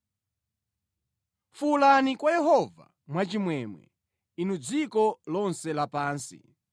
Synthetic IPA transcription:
fulanikwajɛɦɔva̰ | mwat͡ʃimwɛmwɛ̰ | inud͡zikɔlɔnsɛlapaːnsḭ

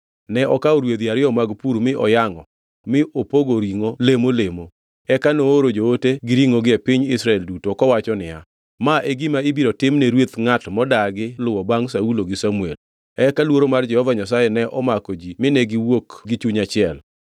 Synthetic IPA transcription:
nɛʔɔkaoɾwed̪iaɾɪɔmaɡpuɾmɪʔɔjaŋɔ | mɪʔopoɡoɾiŋolemolemo | ɛkanoːɾod͡ʒooteɡɪɾiŋoɡɪɛpɪɲɪsɾaɛldutokɔwat͡ʃɔnɪa̰ | maʔeɡɪmaibiɾɔtɪmneɾwet̪ŋatmɔdaɡɪlʊwɔbaŋsauloɡɪsamuel | ɛkalwoɾomard͡ʒɛhɔvaɲasajɛnɛʔɔmakod͡ʒimɪnɛɡɪwokɡɪt͡ʃuɲat͡ʃɪɛl

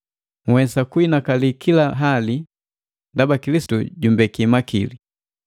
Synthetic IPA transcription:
ŋwɛsakuinakalikʰilaɦali | ndabakilisi̥tṵɟumbɛkimakili

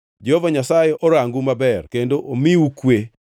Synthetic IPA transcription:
d͡ʒɛhovaɲasajeʔɔɾaŋɡumabɛrkendoʔomiukwe

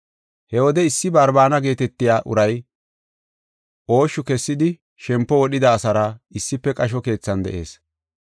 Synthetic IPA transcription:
hɛwɔd̪ɛɪsːɪbɐɾbaːnɐɡe̞ːt̪ɛt̪ːɪjaːʔʊ̰ɾɐj | ʔo̞ːʃʊkɛsːɪd̪ɪ | ʃɛmpːɔwɔɗɪd̪ɐːsɐɾɐɪsːɪpːɛkʼɐʃ̬ɔke̞ːt͡sːɐnd̪ɛ̰ʔe̞ːs

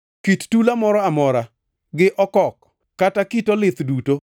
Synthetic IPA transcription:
kittulamɔɾɔamɔɾa | ɡɪʔɔkɔkː | atakitɔlɪt̪duto

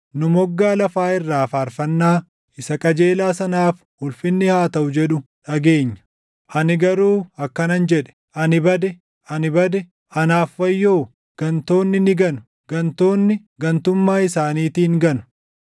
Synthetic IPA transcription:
nʊmɔɡːaːlɐfaːɪrːaːfaːɾfɐnːaː | ɪsɐkʼɐd͡ʒeːlaːsɐnaːf | hʊlfɪnːɪhaːt̪ɐʔʊd͡ʒɛᶑʊᶑɐɡe̞ːɲːɐ̥ | ʔɐnɪɡɐɾuːɐkːɐnɐnd͡ʒɛᶑɛ̥ | ɐnɪbɐd̪ɛ | ʔɐnɪbɐd̪ɛ | ɐnaːfːɐjːo̞ː | ɡ̥ɐnt̪o̞ːnːɪnɪɡɐnʊ̥ | ɡ̥ɐnt̪o̞ːnːɪ | ɡɐnt̪ʊmːaːɪsaːniːt̪iːŋɡɐnʊ̥

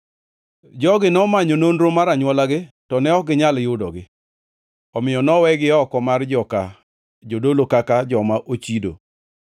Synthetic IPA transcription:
d͡ʒɔɡɪnɔmaɲononɾomaɾaɲwɔlaɡɪtɔnɛɔɡɪɲaljʊdɔɡɪ | ɔmɪjɔnɔwɛɡɪɔkɔmard͡ʒɔka | d͡ʒodolokakad͡ʒɔmaʔot͡ʃido̰

